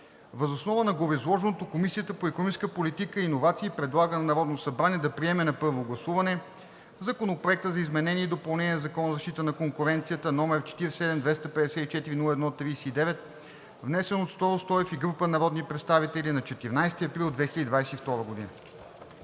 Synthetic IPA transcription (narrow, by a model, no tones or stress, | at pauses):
vəzosnɔvənɐɡovizlˠɔʒɛnot̪okomisiət̪əpoɛkonɔiskəpolit̪ikəinovat̪siːpɾɛd̪lˠaɡənɐnɐɾɔd̪nosɐbɾaniɛd̪ɐpɾiɛmɛnɐpɤɾvoɡlˠɐsuvɐnɛ | zɐkonopɾoɛk̚t̪əzɐizmɛnɛniɛid̪opɐlˠnɛnʲiɛzɐkɔnəzɐʃt̪it̪ənɐkoŋkʊɾɛnt̪sijət̪ənɔmɛɾt͡ʃɛ̥t̪iɾɛsɛd̪ɛmd̪vɛst̪əpɛd̪ɛsɛt̪it͡ʃɛt̪iɾinulˠəɛd̪nɔt̪ɾiːsiːd̪ɛvɛt̪̚ | vnɛsɛnot̪st̪ɔɾost̪ɔjɛfiɡɾupənɐɾɔd̪nipɾɛt̪st̪avit̪ɛlinɐt͡ʃɛt̪iɾnajst̪iɐpɾilˠd̪vɛxilʲəd̪id̪vajsɛift̪ɔɾəɡod̪ḭnə